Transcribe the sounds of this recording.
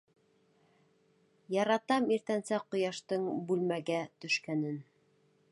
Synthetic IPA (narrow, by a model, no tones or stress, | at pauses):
jɑɾɑt̪ɑmiɾt̪ænsæqŏjɑʃt̪ɤɴbʉlmæɡæt̪ɵ̆ʃkænɘn